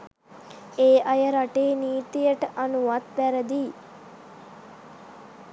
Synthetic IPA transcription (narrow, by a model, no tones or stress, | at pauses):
eːʔɐjəɾaʈeːniːt̪ijəʈəʔanuʋat̪ʋæɾəd̪iː